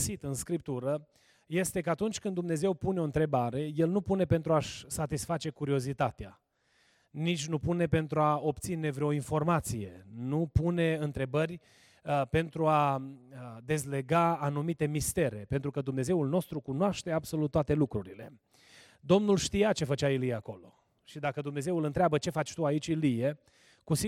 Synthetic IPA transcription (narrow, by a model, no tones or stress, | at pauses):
sit̪ɨnskɾip̚t̪uɾə | je̞st̪e̞kəat̪unt͡ʃʲkɨnd̪umne̞ze̞wpune̞o̞ɨnt̪ɾe̞baɾe̞je̞lnupune̞pent̪ɾuaʃsat̪isfat͡ʃe̞kuɾio̞zit̪at̪ea | nit͡ʃʲnupune̞pe̞nt̪ɾuao̞p̚t̪sine̞vɾeo̞info̞rmat̪sije̞̰nupune̞ɨnt̪ɾe̞bərʲ | pe̞nt̪ɾua | d̪e̞zle̞ɡaːnumit̪e̞mist̪e̞ɾe̞pe̞nt̪ɾukəd̪umne̞ze̞ulno̞st̪ɾukunoaʃt̪e̞abso̞lut̪ːwat̪e̞lukɾuɾile̞ | d̪o̞mnulʃt̪ijat͡ʃe̞fət͡ʃailijeako̞lo̞̰ | ʃid̪akəd̪umne̞ze̞wɨlɨnt̪ɾeabət͡ʃe̞fat͡ʃʲt̪uait͡ʃʲilije | kusi